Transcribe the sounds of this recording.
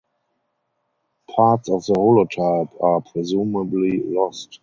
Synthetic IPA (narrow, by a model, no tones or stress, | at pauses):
pʰaːtsɔfðəholɔtʰaɪpʰapʰɹɛzuːməblilɔst